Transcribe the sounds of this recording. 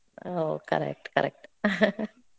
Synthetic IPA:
okʰa̰ɾɛ̰k̚t̪ka̰ɾɛ̰k̚t̪

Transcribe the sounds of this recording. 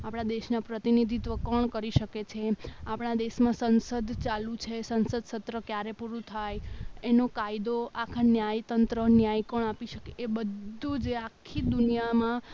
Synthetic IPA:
apɽ̃ad̪eʃnapɾət̪inid̪ʱit̪ʋəkəɳkəɾiʃəket͡ʃʰeapɳ̃ad̪eʃmãsənsəd̪ʱt͡ʃalũt͡ʃʰesənsəd̪sət̪ɾəkjaɾepuɾũt̪ʰajenokajd̪oakʰanjajt̪ənt̪ɾənjajkəɳapiʃəkeebəd̪ʱːud͡ʒeakʰːid̪unijamã

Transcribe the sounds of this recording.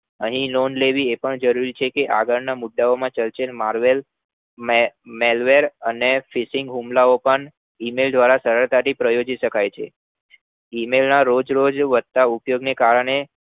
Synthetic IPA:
əɦĩnonleʋiepəɳd͡ʒəɾuɾit͡ʃʰekeʔa̰ɡəɭnamuɖːaomãt͡ʃəlt͡ʃelmaɾʋel | mmelʋeɾənefisɪŋɡɦũmlaopəɳ | imeld̪ʋaɾasəɾəɾt̪aʈipɾəjod͡ʒiʃəkʰajt͡ʃʰḛ | imelnaɾod͡ʒɾod͡ʒʋəd̪̚t̪aupjoɡnekaɾəɳ̃e

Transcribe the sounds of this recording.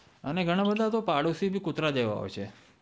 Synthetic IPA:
əneɡʱəɽ̃abəd̪ʱat̪opaɽusibʱikʊt̪ɾad̪eʋa̰ɦo̰ʋet͡ʃʰe

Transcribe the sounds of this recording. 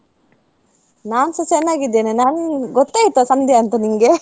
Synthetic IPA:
naːnsɐsɛnːaːɡid̪ːeːnenaːnɡɔt̪ːaːjt̪ːosɐmd̪ʱjɐɐnt̪ɐniŋɡe

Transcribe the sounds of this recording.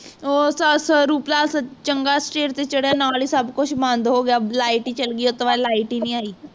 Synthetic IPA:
osəsəɾuːplaəsət͡ɕəŋɡasʈeɾt̪et͡ɕəɽjanaaɭisabkoɕbãnd̪ʱɦoɡjalajʈit͡ɕəlɡiːot̪əʋalajʈiniːaiː

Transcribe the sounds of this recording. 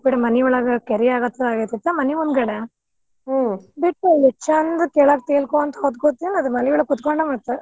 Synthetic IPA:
biɽemɐniɔɭɐɡɐkeɾijaːɡɐt̪ːɐaːɡet̪it̪ːemɐnimund̪ɡɐɽe | biʈːulit͡ʃːɐnd̪ɐkeːɭaːk̚t̪eːlkoɐnt̪ɐɦot̪̚koːt̪ːinɐd̪mɐniʋɔɭɐkut̪koɳɖɐmaːɽt̪ːe

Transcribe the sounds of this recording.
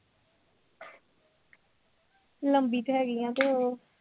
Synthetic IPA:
ləmbiːt̪ːɦɛːɡɪjãːt̪oː

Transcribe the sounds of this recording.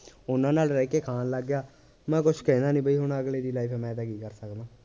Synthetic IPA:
ʊnãːnaːlɾɛːkeːkʰaːnləɡːjaː | mɛ̃ːkʊt͡ʃʰkɛ̃ːnaːnĩːbəiːɦʊɳəɡleːɾiːlaːiːpʰɛːmɛ̃ːd̪aːkiːkəɾsəkd̪ãː

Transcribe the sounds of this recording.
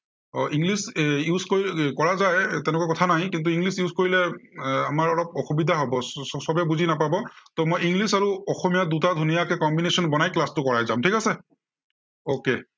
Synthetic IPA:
ɔʔiŋɡlisjuzkoɹikɔɹazajtɛnɛkuakɔt̪ʰanaɦĩkint̬uiŋɡlisjuzkoɹilɛamaɹɔɹɔp̚ɔxubid̪ʱaɦobɔsɔbɛbuzinapabɔtɔmojiŋɡlisaɹuɔxɔmijadutadʱunijakɛkɔmbinesɔnbɔnajklastʊkɔɹajzamtʰikasɛ | oke

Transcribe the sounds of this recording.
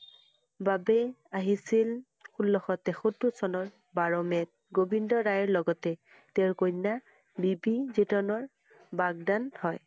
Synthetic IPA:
babɛaɦisil | xulːɔxɔtɛxotusɔnɔɹ | baɹɔmɛt̚ɡobindɔɹajɔɹlɔɡɔtɛ | tɛʊɹkona | bibizitɔnɔɹ | baɡ̚danhɔj

